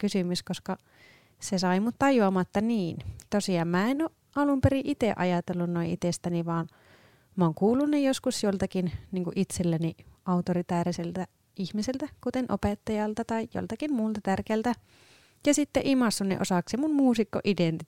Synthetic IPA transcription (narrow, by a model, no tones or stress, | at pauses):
kysymyskoskɑ | sesɑimut̪t̪ɑjuɑmɑt̪ːɑniːnt̪osiɑːmmæːenoʔ | ɑlumpeɾiʔit̪eʔɑ̰jɑt̪elːunnoĩʔit̪est̪æniʋɑːn | mæoːŋkuːlːunːejoskusjolt̪ɑkinniːŋkuʔit̪selːæniɑut̪orit̪æːriselt̪æ | ihmiselt̪ækut̪enʔo̰pet̪ːɑjɑlt̪ɑt̪ɑijo̰lt̪ɑkimmuːlt̪ɑt̪ærkeælt̪æ | jɑsit̪ːḛʔimɑsːunːḛʔo̰sɑˑksemunmuːsikːo̰ʔident̪i